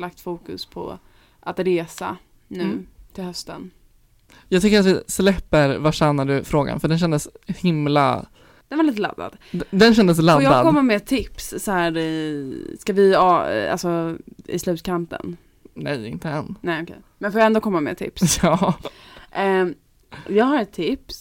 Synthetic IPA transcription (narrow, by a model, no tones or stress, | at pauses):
lak̚t̪fuːkɵ̰spʰɔ̰ | ʔat̪ɾeːsa̰ | nʉ̟ːt̪ʰɪlhœst̪ən | jɑːɡt̪ʏŋkəɾat̪vɪslɛpːəɾvaʂɛnːaɖɵfɾoːɡa̰nfœɖɛnɕɛnd̪əshɪmla̰ | d̪̥ɛnvaɾliːt̪əla̰d̪ːa̰d̪ | d̪ɛnɕɛnd̪əs̬lad̪jɑɡ̪ːad̪kɔmːamɛt̪ʰɪpssɔhæːɾ | skavɪɑa̰lsɔɪ̰slʉ̟ːt̪̚kʰant̪ə̰n | nɛjɪ̰nt̪ədɛnnɛɔkʰɛ̰jmɛnfoːjaɛnd̪oːkʰɔmːamɛ̰t̪ʰɪ̰psjɑː | jɑːɡɦaɾɛt̪ʰːɪps